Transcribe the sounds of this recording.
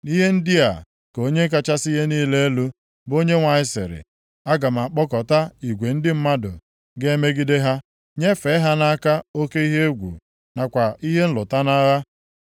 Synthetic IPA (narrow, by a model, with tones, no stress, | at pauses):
ni˦ɦe˦n̩˦dɪ˦a̰˨ | ko˦ɲe˦k̬a˦t͡ʃa˦si˦ɦe˦niː˦le˦e˦lu˦ | bo˦ɲe˦ŋʷa˨ɪ˦sḛ˨ɾɪ̰˨ | a˦ɡa˨m̩˨a˨k͡pɔ˦kɔ˨ta˦i˨ɡʷe˨n̩˦dɪ˦m̩˦ma˦dʊ̰˨ | ɡe˦e˦me˦ɡi˦de˦ɦa˦ | ɲe˦fe˨˦ɦa˦na˦ka˦o˦ke˦i˦ɦe˦ɡʷṵ˨ | na˨kʷa˨ʔi˦ɦe˦n̩˦lʊ˨ta˦na˦ɣa˦